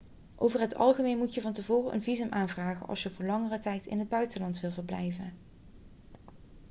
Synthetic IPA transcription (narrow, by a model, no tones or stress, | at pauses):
ʔowvəɹɦətɑ̰lˠχəmejnmutjəvɑntəvoːrəʔə̰nvizəmʔaːnvraːχə̰nʔɑ̰lˠsjəvʊːɹlɑŋərətɛjtɪ̰nɦəd̚bœɥtəlɑntʋɪlˠvəɹblɛ̰jvən